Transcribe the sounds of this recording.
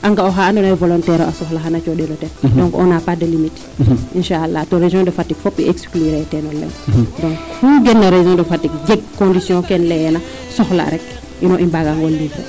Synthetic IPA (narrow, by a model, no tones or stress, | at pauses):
ʔaŋɡaoɦaandonaɛvolɔntɛɾo̰asɔxlaɦanat͡ʃɔdelotɛdɔ̃ŋkɔ̰napadəlimit | inʃaalːatoɾeʒɔ̃dɐfatːikfɔpːḭekskliɾɛtɛnɔlːɛ̰wdɔ̃ŋkfuɡɛnːaɾeʒɔ̃dəfatːik̚d͡ʒɛɡ̚kõndisjɔ̃kɛnlɛjɛna | sɔxla̰ɾɛk | ʔinɔʔimbaɡaŋɡɔlːivɾə̰